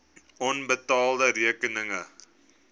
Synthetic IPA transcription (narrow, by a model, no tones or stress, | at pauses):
ɔnbətɑːldəɾiəkənəŋə